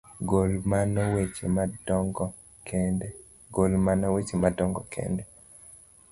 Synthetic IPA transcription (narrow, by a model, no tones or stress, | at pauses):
ɡolmanɔwet͡ʃemadŋɡ | ɡolmanɔwet͡ʃemadɔŋɡɔkʰɛ̰ndɛ